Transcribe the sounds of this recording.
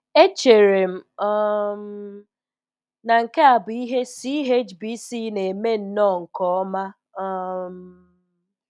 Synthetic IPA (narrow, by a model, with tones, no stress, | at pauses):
e˦t͡ʃe˨ɾe˨m̩˨ɔ˦m̩˦ | na˨ŋ̩˨ke˦a˨bʊ˨i˦ɦe˦si˦ɦe˦t͡ʃbi˦si˦ne˨me˦n̩˦nɔ˦˨ŋ̩˨kɔ˦ɔ˦ma˦ | ɔ˦m̩˦